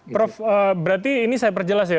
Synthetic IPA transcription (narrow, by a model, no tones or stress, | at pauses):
pɾɔfəbəɾat̪iːnisajapərd͡ʒəlas̬ja